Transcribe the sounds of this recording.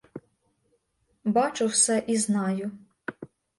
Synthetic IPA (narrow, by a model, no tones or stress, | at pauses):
bɑt͡ʃʊwsɛʔiznɑjʊ